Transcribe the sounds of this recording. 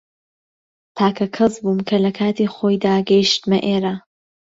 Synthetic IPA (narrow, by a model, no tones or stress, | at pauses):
t̪ʰaːkʰɐkʰɐzbuːmkʰɐlɐkʰaːt̪iːχoːjd̪aːɡɐjʃt̪mɐʔeːɾa